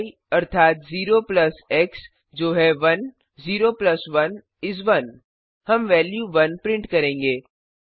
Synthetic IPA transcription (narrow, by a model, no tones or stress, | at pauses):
i | ɐɾt̪ʰaːt̪ziːɾoplɐsɛks | d͡ʒoːɦɛʋɐn | ziːɾoːplɐsʋɐn | ɪs̬ʋɐn | hɐmʋɛːljuʋɐnpɾɪ̃ɳʈkɐɾẽːŋɡeː